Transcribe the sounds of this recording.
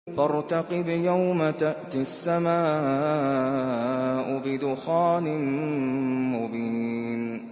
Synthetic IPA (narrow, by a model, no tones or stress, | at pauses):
fɑɾˤt̪ɑqɨbjawmat̪aʔt̪ɪasːamaː | ʔʊbɪd̪ʊxaːnɪn | mʊbiːn